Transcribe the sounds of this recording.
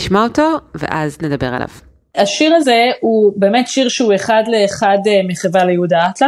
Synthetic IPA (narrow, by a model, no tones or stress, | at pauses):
iʃmaotovḛʔazned̪abeʁa̰la̰v̥ | aʃiʁaze̞ube̞ːme̞tʃiʁʃeue̞χadle̞ːχadmiχevalejehudatla